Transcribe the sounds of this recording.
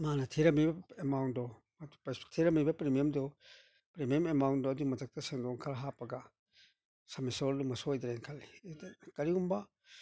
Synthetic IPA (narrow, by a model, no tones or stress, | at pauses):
manɐtʰeɾɐmibɐemawndɔ | mtpstʰeɾɐmibɐpɾemiemdɔ | pɾemjememawndɔɐdumɐd͡ʒak̚tɐsaŋdɔŋkʰɐɾɦapɐɡɐ | sɐmesɔɾdumɐsojd̪ɾenkʰalːikɐɾiumbɐ